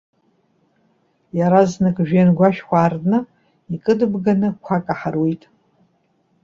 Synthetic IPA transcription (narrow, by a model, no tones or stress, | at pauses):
jaɾaznɨkʼʒᶣenɡʷaʃᶣkʷʰaːrnɨ | ikʼɨdɨbɡanɨkʷʰakʼaħarwejtʼ